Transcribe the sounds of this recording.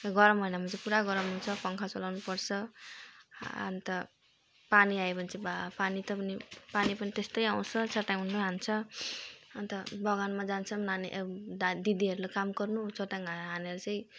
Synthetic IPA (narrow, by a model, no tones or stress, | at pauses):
ɡʌɾʌmɦʌjnamat͡sʌ̃puɾaɡʌɾʌmɦunt͡sʰʌpʌŋkʰat͡sʌlawnupʌrt͡sʰʌ | ʌ̰nt̪ʌ | paniaepʌnit͡sʌ̃bapanit̪ʌpʌnipanipʌnit̪est̪ʌjaw̃t͡sʰʌt͡sʌʈaɦunt͡sʌɦant͡sʰʌ | ʌnt̪ʌbʌɡanmad͡zant͡sʰʌnaneʔd̪id̪iɦʌɾulakamɡʌrnut͡soʈaŋaɦaneʌɾut͡sʌ̃j̃